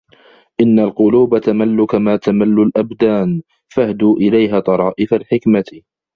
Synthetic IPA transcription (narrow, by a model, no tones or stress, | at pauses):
ʔɪnːalqʊluːbat̪amalːʊkamaːt̪amalːʊlʔabd̪aːn | fahd̪uːʔɪlajɦaːt̪ˤɑɾˤɑːʔɪfalħɪkma